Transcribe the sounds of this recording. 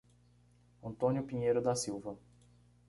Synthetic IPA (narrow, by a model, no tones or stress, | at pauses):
ɐ̃nt̪õnjʊpĩɲejɾʊd̪ɐsiwvɐ